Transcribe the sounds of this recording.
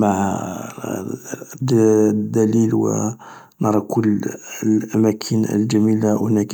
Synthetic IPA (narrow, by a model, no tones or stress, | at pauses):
maʕ | d̪d̪ːælilwə̰ | nɑɾˤɑkʰʊlːlʔæmækʰənə̰lʒæmilawhnæk